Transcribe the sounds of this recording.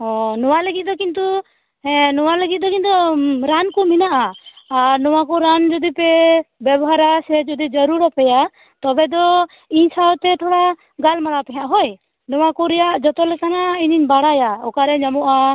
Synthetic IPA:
ɔnɔwaləɡit̪̚d̪ɔkint̪u | ɛnɔwaləɡit̪̚ˀd̪ɔkint̪uɾankuminaʔaaɾnɔwakɔɾand͡ʒɔd̪ipɛbɛbɔɦaɾasɛd͡ʒɔd̪id͡ʒɔɾuɾapɛja | t̪ɔbɛd̪ɔ | iɲsʰawt̪ɛʈ̪ʰɔɽa | ɡalmalapɛɦaʔɦɔj | nɔwakɔɾɛjaʔd͡ʒɔt̪ɔlɛkanaiɲiɲbaɽajaɔkaɾɛɲamɔʔa

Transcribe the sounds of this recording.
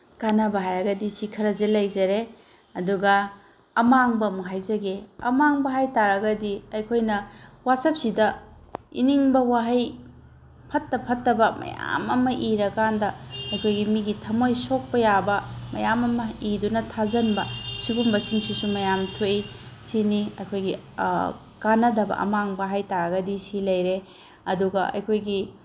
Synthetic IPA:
kanɐbɐɦajɐɡɐdisikʰɐɾɐzelɐjzɐɾe | ɐduɡɐ | ɐmaŋbɐmuɦajzɐɡeɐ̰maŋbɐɦajtaɾɐɡɐdiɐjkʰojnɐwasɐp̚sidɐ | ḭniŋbɐwaɦɐj | pʰɐtːɐpʰɐtːɐbɐmɐ̰ja̰mɐmɐʔiɾɐkandɐɐjkʰojɡimiɡitʰɐmojsok̚pɐjabɐmɐ̰jamɐmɐidunɐtʰazɐnbɐsiɡumbɐsinsusumɐjamtʰoisiniɐjkʰojɡi | kanɐdɐbɐ̰ʔɐ̰maŋbɐɦajtaɾɐɡɐdisilɐjɾe | ɐduɡɐɐ̰jkʰojɡi

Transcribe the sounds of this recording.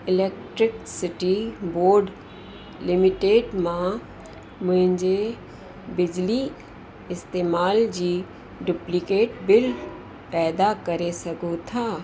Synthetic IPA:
ɪleːkʈɾɪksɪʈiboːɾɖ | lɪmɪʈeːɖmã | mʊ̃ɦɪ̃ɲd͡ʑe | bɪd͡ʑli | ɪst̪eːmaːld͡ʑiː | ɖʊplɪkeːʈbɪl | pɛːd̪akɐɾesɐɡot̪ʰaː

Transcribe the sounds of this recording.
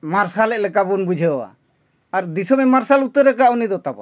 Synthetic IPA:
maɾsalɛlɛkabunbud͡ʒʱɛa̰ː | ɾd̪isɔmɛmaɾsalut̪ːəɾɛkaunid̪ɔt̪abɔ̰

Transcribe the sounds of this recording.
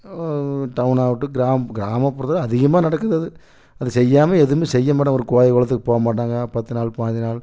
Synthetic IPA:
ʈɐʋnaːʋɯʈːɯɡɪɾaːmɐɡɪɾaːmɐpːɔɾt̪ːɐlɐðɪɣɐmaːnɐɽɐkːɯðɯɐðɯ | ɐðɯsɛjːaːmɐɛðɯɾmeːsɛjːɐmaːʈːɐ̃ɔɾɯkoːjɐkɔːɭɐt̪ːɯkːɯpoːɣɐmaːʈ̬ːaːŋɡɐpɐt̪ːɯnaːɭpaːd͡ʒinaːl

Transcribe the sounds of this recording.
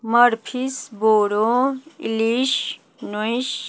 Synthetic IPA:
mʌɾpʰisboɾoḭliʃ | nojs

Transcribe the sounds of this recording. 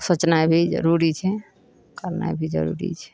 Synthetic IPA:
sət͡ʃnabʱid͡ʒə̰ɾuɾit͡ʃʰɛ | kəɾna̰bʱid͡ʒə̰ɾṵɾḭt͡ʃʰɛ̥

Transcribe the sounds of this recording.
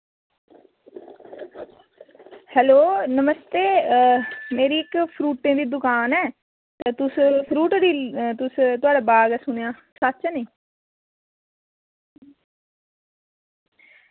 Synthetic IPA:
hɛːloːnəməst̪eː | meːɾiːɪkpʰɾuːʈːẽːd̪iːd̪ʊkaːnɛː | t̪aːt̪ʊspʰɾuːʈɾiːt̪ʊst̪ʊaːɖaːbaːɡɛːsʊnejaːsət̪ːt͡ʃːniː

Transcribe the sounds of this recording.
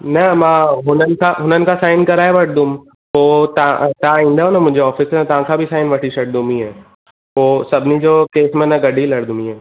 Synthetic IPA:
nɐmãɦʊnənkaɦʊnənkasaːɪnkɐɾaːeʋɐʈ̚ʰd̪um | oːt̪at̪ãɪ̃nd̪aonamʊ̃d͡ʒʱeɔːfɪsəɾɛ̃t̪ãːkʰabʱisaːɪnʋɐʈʰiʃɐʈ̚d̪umĩɦɛː | oːsɐbnid͡ʒoːkeːsmẽnɐ̃ɡɐɖʱilɐɽd̪ũmĩɦɛː

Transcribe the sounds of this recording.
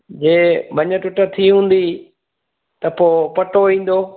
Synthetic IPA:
d͡ʑeːbʱɐɲə̆ʈʊʈə̆t̪ʰiɦũːn̆d̪i | t̪ɐpoːpɐʈoĩːn̆d̪oː

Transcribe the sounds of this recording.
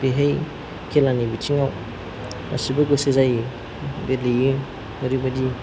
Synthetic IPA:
peɦej | kʰelanibitʰiŋaw | a̰sibɐɡosezaj | belijɯ | mɯɾibɐdi

